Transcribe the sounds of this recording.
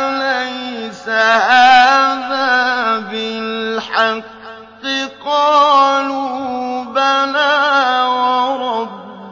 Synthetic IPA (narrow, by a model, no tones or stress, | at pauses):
lajsahaːðaːbɪlħɑqː | ɪqɑːlubanaːwɑɾˤɑb